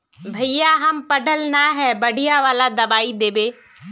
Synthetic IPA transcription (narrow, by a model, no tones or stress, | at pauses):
bʱɐijaɦɐmpəɖʱəlnaɦɛːbɐɽ̤ʱɪjaʋaːlad̪ɐbaːid̪eːbeː